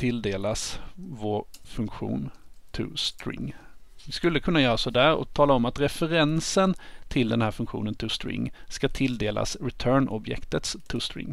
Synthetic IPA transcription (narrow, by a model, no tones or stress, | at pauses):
t̪ʰɪld̪eːlasvoːɾfɵŋkɧṵːnt̪ʰɵ̰st̪ɾɪ̰ŋːvɪskɵlːəkʰɵnːajœːɾasɔd̪æːɾɔ̰t̪ʰɑːlaɔmat̪ɾɛfəɾɛnsənt̪ʰɪld̪ɛnhæːɾfɵŋkɧṵːnənt̪ʰɪst̪ɾɪ̰ŋːskat̪ʰɪld̪eːlʔa̰sɾɛt̪ʰœːɳʔɔ̰bjɛ̰kt̪ət̪st̪ʰʊst̪ɾɪ̰ŋː